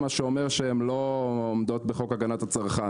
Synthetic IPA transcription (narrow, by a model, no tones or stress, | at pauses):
maʃeomeʁʃeemloːmd̪o̞t̪beχo̞kaɡanat̪at͡saʁχa